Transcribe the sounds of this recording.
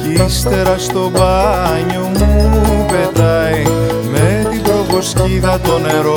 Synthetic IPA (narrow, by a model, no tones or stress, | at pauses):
ist̪e̞ɾɐst̪o̞bɐɲomuipet̪ɐj | met̪ibɾo̞vo̞sciðɐt̪o̞neɾo